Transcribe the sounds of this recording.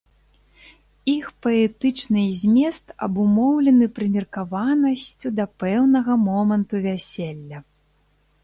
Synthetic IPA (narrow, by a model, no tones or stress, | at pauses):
ixpɐɛt̪ɨt͡ʂnɨzʲmʲɛst̪ɐ̰bumɔwlʲɛnɨpɾɨmʲirkavanɐsʲt͡sʲud̪ɐpɛwnɐɣɐmɔmɐnt̪uvʲasʲelʲːɐ